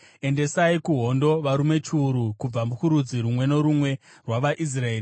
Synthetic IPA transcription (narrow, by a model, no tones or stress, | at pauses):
e̞nde̞saikuɦo̞ndo̞ʋaɾume̞t͡ʃːɾukub͡vamukuɾud͡ziɾumwe̞no̞ɾumwe̞ | rwaʋaʔis̬raeːr